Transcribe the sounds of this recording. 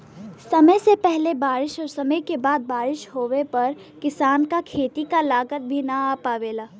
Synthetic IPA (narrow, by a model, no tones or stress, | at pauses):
sɐməjsepɛɦlebaːɾɪʃɔːɾsɐməjkebaːd̪̚baːɾɪʃɦoːʋepɐɾ | kɪsaːnkakʰeːt̪ikalaːɡət̪̚bʱinaaːpaːʋeːlaː